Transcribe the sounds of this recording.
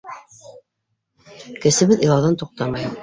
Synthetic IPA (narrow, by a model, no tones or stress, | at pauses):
kɘ̆sɘ̆βɘðilˠɑwðɑnt̪uq̚t̪ɑmɑju